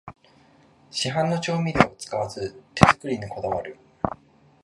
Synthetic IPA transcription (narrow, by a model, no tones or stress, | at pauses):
ɕiɦãnːo̞t͡ɕo̞ːmʲid̪eot͡sɨ̥kaβazɨt̪e̞zɨkɯ̟ɾʲiɲ̟iko̞d̪aβaɾɯ̟